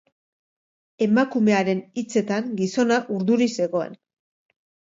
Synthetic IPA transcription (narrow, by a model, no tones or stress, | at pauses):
e̞makume̞aɾe̞nit͡se̞t̪aŋɡiso̞naʔuɾðuɾise̞ɣo̞ḛn